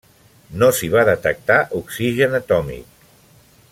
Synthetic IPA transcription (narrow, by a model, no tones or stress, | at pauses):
nosiβ̞aðət̪ək̚t̪aʔuksiʒənət̪ɔmḭk̚